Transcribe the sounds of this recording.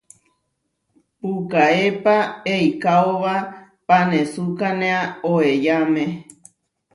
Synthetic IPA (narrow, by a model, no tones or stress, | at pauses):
pukaepaeikaoβa | panesukanẽaoejamẽ